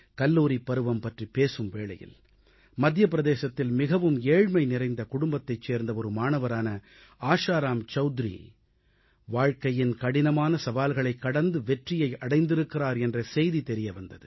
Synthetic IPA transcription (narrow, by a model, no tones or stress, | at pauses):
kɐlːuːɾipɐɾɯʋɐmpɐʈripeːsɯmʋeːɭɐ̰jɪ̰l | mɐd̪ʱjɐpɪɾɐðeːsɐt̪ːɪlmɪɣɐʋɯmeːɻmɐɪnɪɾɐɪnd̪ɐkʊɽʊmbɐt̪ːɐɪt͡ʃːeːɾnd̪ɐɔɾɯmaːnɐʋɐɾaːnɐ | aːʂaːɾaːmt͡ʃɐʊd̪ɾḭ | ʋaːɻkɐjɪnkɐɽɪnɐmaːnɐsɐʋaːlɣɐɭɐɪkːɐɽɐnd̪ɯʋɛʈrɪjɐɪɐɽɐɪnd̪ɪɾɯkːɪɾaːɾɛndrɐsɛjðit̪ɛɾɪjɐʋɐnd̪ɐðɯ